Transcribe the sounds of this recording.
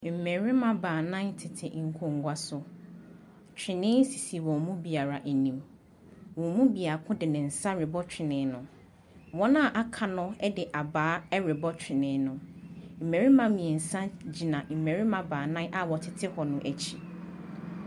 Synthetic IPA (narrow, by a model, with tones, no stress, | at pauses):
m̩˨me˨ɾi˦mã˦˨baː˨nã˦ntʰɪ˨tʰɪ̰˨ŋ̩˨kʰõ˨ŋ˨˦ɡʷa˦sʊ˨ | t͡ɕᶣʰɪ˨nɪ̃˦si˨si˨wɔ̃˨mũ˦bi˨a˨ɾa˨ʔæ˨nĩ˨m | wɔ̃˨mũ˦bi˨a˨kʰʊ̃˦dɪ˨nɪ̃˨n̩˨sa˦ɾɪ˨bɔ˦t͡ɕᶣɪ˨nɪ̃˨˦nʊ̃˨ | wɔ̃˦nã˦˨ʔa˦kʰa˨nʊ̃˦ɛ˦dɪ˨ʔa˨baː˨˦ɛ˦ɾɪ˨bɔ˦t͡ɕʰᶣɪ˨nɪ̃˨˦nʊ̃˨m̩˨mẽ˨ɾi˦mã˦mĩ˨ɛ˨n̩˨sã˦d͡ʑi˨nã˨m̩˨me˨ɾi˦mã˨baː˨nã˦ʔa˨wɔ˨tʰɪ˨tʰɪ˦hɔ˨nʊ̃˨ʔæ˨t͡ɕʰi˨